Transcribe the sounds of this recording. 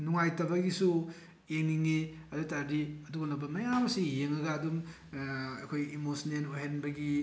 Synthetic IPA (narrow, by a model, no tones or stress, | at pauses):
nuŋajtɐbɐɡisu | eŋniŋiɐdutaɾɾiɐduɡɐnɐbɐmɐjamɐsijeŋɐɡadum | ɐ̰jkʰojimosnenoɦenbɐɡi